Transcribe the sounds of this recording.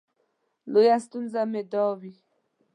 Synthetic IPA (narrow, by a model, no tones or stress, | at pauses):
lojast̪unzamed̪ɔwi